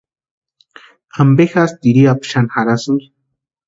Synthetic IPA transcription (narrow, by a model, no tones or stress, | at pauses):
ambexast̪iɾiapʃanxaɾasɨŋɡi